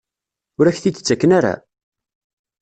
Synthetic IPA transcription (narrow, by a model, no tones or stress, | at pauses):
ʊɾæçθit͡s̪ːə̥t͡sːækːənaɾa̰